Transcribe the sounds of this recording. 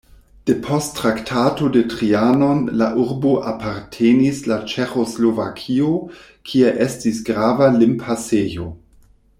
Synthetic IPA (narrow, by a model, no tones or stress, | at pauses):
d̥epʰostːɾaktʰatodetʁianonlaʔuɾboʔapʰaɾtʰenislat͡ʃexoslovakʰio | kʰieʔestisɡɾaːvalimpʰasejo